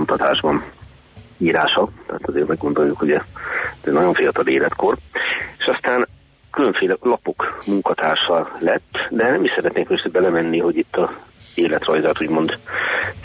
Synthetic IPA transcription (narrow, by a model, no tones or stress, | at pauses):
mt̪ɒt̪aːʒbɒn | iːɾaːʃɒt̪ɛːt̪ɒzḛːrmɛɡːo̞nd̪o̞ljukuɟɛzɛnɒɟo̞ɱfijɒt̪ɒleːlɛt̪kʰo̞reːʃɒst̪aːn | kylø̞ɱfeːlɛlɒpo̞kmuŋkɒt̪aːrʃɒllɛt̪ːd̪ɛnɛmiʃsɛɾɛt̪neːŋkøsøːbɛlɛmɛnːiɦo̞ɟit̪ːɒeːlɛt̪rɒjzaːt̪uːɟmo̞nd̪